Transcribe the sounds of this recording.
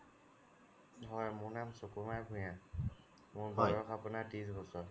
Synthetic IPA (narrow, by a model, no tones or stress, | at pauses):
ɦɔjmʊɹnamsokumajbʱʊ̃jã | mʊɹɡɔɹɔxapʊnatisbɔsɔɹ